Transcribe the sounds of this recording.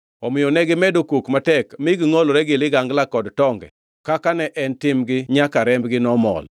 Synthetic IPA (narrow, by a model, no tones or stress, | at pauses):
ɔmɪjonɛɡɪmɛdokukmatɛkmɪɡɪŋoloɾɛɡɪlɪɡaŋɡlakɔdtɔŋɡɛ̰ | kakanɛʔɛntɪmɡɪɲakaɾɛmbɡɪnɔmɔ̰l